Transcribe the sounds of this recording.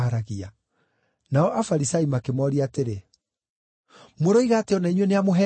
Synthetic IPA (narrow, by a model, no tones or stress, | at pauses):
aɾaɣia | naɔʔafaɾisaimakemɔɾiaːteɾe | moɾoiɣaːteɔnaiɲwɛneamoɦɛ